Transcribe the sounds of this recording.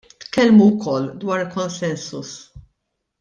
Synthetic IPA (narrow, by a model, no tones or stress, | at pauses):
t̪kɛlmuwkɔlːd̪wɐːɾkɔnsɛnsus